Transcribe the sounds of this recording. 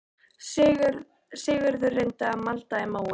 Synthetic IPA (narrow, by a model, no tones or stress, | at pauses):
sɣɾ | sɪːɣʏɾðʏrejnt̪aːmalt̪aɛmaw